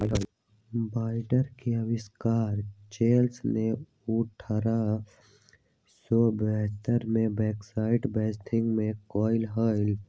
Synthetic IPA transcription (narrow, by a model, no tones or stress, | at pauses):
baːɪɖəɾkeəwɪskaːɾt͡ʃeːlsne | ʊʈʰəɾa | sɔːbeɦt̪əɾmẽbɛːksaːɪʈbɛːsʈʰɪ̃ŋɡmẽkɔːɪlɦaːɪl